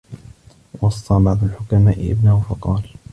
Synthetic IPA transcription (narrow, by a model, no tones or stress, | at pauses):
wɑsˤːɑːbɑʕd̪ˤʊlħʊkamaːʔɪʔɪ̰bnahʊfɑqɑːl